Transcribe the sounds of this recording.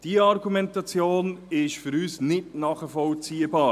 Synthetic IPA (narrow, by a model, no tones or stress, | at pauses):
d̥iɑɾɡumɛntɑt͡sjoːnɪʃfyɾyːsnɪtnɑːχəfɔlt͡siːəbɑː